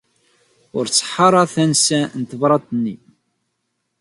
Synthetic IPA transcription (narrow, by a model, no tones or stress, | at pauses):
ʊɾt͡sːħːɑɾˤɑθænsænt̪əvɾˤɑt̪ənːi